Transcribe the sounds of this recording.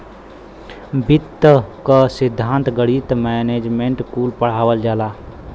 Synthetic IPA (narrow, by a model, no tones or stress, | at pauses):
bit̪ːəkəsɪd̪ʱːaːnt̪ɡəɽit̪mɛneːd͡ʒmeɳʈkuːlpəɽ̤aːwəld͡ʒaːlaː